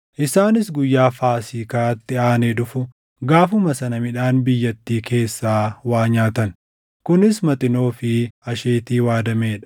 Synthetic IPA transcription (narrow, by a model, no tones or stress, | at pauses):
ʔɪsaːnɪsɡʊjːaːfaːsiːkaːt̪ːɪaːneːᶑʊfʊ | ɡaːfʊmɐsɐnɐmɪᶑaːnbɪjːɐt̪ːiːkʰe̞ːsːaːwaːɲaːt̪ɐn | kʊnɪsmɐt̪ʼɪno̞ːfɪɐʃe̞ːt̪iːwaːd̪ɐmeːᶑɐ̥